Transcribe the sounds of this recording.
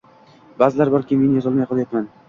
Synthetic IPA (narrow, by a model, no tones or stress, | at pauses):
bazɪlaɾbɒɾkʲemenjɒzɒlˠmajqʰəlˠajt̪man